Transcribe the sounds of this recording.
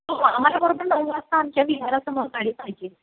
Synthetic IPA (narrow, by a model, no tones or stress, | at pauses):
oam̤alabəɾobəɾnəɦuəst̪aamt͡ɕjaʋid̪ʱaɾasəmoɾkaɽiːt͡sajt͡ɕe